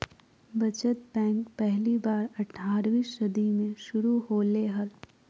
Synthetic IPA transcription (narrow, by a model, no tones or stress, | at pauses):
bɐt͡ʃət̪̚bɛ̃ːŋkpɛɦlibaːɾɐʈʰːaːɾʋiːsʃɐd̪imẽʃʊɾuɦoːleːɦəl